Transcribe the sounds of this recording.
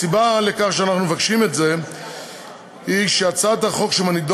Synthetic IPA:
sibalekaχʃeanaχnumevakʃimetze̞ | hiʃeat͡sadhaχo̞kʃemanid̪

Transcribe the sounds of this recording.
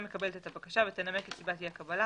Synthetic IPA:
mekabelt̪et̪abakaʃavet̪enamekesibat̪iakabala

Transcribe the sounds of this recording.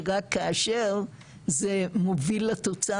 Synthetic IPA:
ʁakːaːʃeʁ | zemovilat̪ot͡sa

